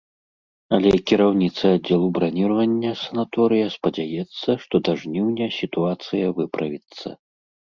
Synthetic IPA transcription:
ɐlʲɛkʲiɾawnʲit̪sɐadd͡zʲːɛlˠubɾanʲiɾɐvɐnʲːɐsɐnat̪ɔɾɨjɐspɐd͡zʲajɛt̪sːɐʂt̪ɔd̪aʐnʲiwnʲɛsʲit̪uat̪sɨjɐvɨpɾɐvʲit̪sːɐ̰

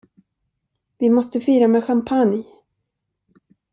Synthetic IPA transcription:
vɪmɔst̪əfiːɾamɛɧampʰan

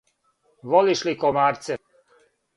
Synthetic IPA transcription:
ʋoliʃlikomaːɾt̪sɛ

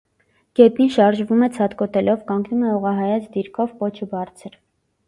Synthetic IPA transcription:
ɡ̥ɛpinʃɑɾʒvumɛt͡sʰɑt̪kɔt̪ɛlɔvkɑŋɡnumɛɔʁɑɦɑjɑt͡sʰd̪iɾkʰɔvkɔt͡ʃʰubɑɾt͡sʰəɾ

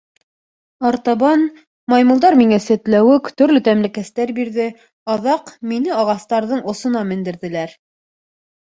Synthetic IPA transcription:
ɑɾt̪ɑβɑn | mɑjmŏlˠd̪ɑɾmiŋæsæt̪læwɘkt̪ɵ̆ɾlɵt̪æmlɘ̆kæst̪æɾbiɾðɘ | ɑðɑqminɘɑʁɑst̪ɑɾðɤɴŏsŏnɑmɘ̆nd̪ɘ̆ɾðɘ̆læɾ

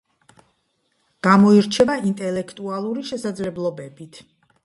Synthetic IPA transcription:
ɡ̥amɔiɾt͡ʃʰɛvaint̪ʼɛlɛkʰt̪ʼualˠuɾiʃɛsad̪zlɛblˠɔbɛbit̪ʰ

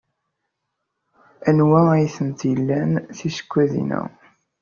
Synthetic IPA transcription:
ænwææjθənt̪jəlːænθisə̥kʷːæðḭnæ̰

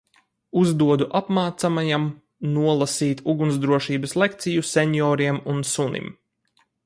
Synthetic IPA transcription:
uzd̪uɔd̪uʔapmaːt̪samajam | nuɔlˠasiːt̪uɡunsd̪ɾuɔʃiːbəslˠek̚t̪sijusʲeɲjɔːɾiɛmunsunḭm

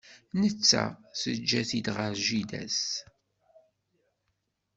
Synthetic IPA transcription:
nət͡sːæ̰səd͡ʒːæθid̪ʁəɾʒid̪æ̰s

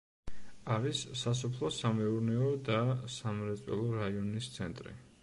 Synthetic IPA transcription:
aɾisːas̬ɔpʰlˠɔsamɛuɾnɛɔd̪asamɾɛt̪sʼwɛ̰lˠɔɾaiɔnist̪sʰɛnt̪ʼɾḭ

